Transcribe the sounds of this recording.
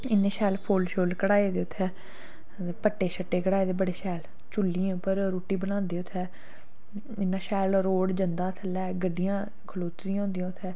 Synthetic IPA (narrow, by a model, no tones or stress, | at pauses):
ɪnẽːʃɛːlpʰoːlʃoːlkəɽaːeːd̪eːʊt̪ʰːɛː | pəʈːeːʃəʈːeːkəɽaːeːd̪eːbəɽeːʃɛːl | t͡ʃʊlːiẽʊpːəɾɾoːʈːiːbənãːnd̪eːʊt̪ʰːɛː | ɪnãːʃɛːlɾoːɽd͡ʒənd̪aːt̪ʰəlɛːɡəɖːijãː | kʰəloːt͡ʃ̪d̪ijãːʊ̃ːnd̪ijãːt̪ʰːɛː